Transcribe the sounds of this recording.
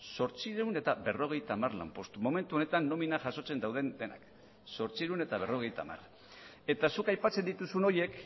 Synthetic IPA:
so̞ɾt͡siɾune̞t̪abe̞ro̞ɣ̞e̞jt̪aːmaɾla̰mpo̞st̪umo̞me̞nt̪uone̞t̪anːo̞minaʝaso̞t͡se̞nd̪awðe̞nd̪e̞na̰k | so̞ɾt͡siɾune̞t̪aβ̞ero̞ɣe̞jt̪a̰ːma̰r | e̞t̪asukajpat͡se̞nd̪it̪usuno̞je̞k

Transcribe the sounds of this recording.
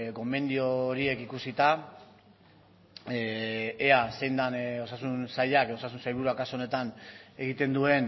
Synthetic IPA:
ko̞me̞nd̪io̞ɾie̞kikusit̪a | ease̞jnd̪ano̞sasunsajakeo̞sas̬unsajβuɾuakaso̞ne̞t̪ane̞ɣit̪e̞nd̪ue̞n

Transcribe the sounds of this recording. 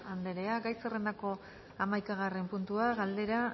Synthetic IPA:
and̪e̞ɾe̞aɡajt͡serend̪ako̞ | amajkaɣ̞are̞mpunt̪uaɣald̪e̞ɾa

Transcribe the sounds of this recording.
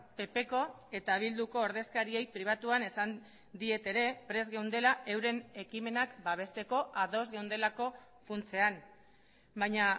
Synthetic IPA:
pe̞pe̞ko̞e̞t̪aβ̞ild̪uko̞ːɾð̞e̞skaɾie̞jpɾiβ̞at̪uane̞san | d̪ie̞t̪e̞ɾe̞pɾe̞zɣe̞wnd̪e̞laʔe̞wɾe̞ne̞kime̞nakbaβ̞e̞st̪e̞ko̞ʔaðo̞zɣewnd̪e̞lako̞ | funt͡se̞an | bajɲa

